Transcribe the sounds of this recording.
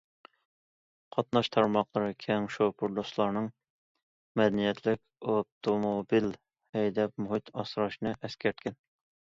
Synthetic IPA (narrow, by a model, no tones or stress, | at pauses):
qʰɑt̪nɑʃt̪ʰɑɾmɑqlˠəɾɨkʲʰɛŋʃopʰuɾd̪oslˠɑɾnɨŋ | mɛd̪ɛnijɛt̪ʰlɪkʲop̚t̪ʰomobil | hɛjd̪ɛp̚muɦɨt̪ʰɑsɾɑʃnɨʔɛskʲʰɛɾt̪̚kʲɛn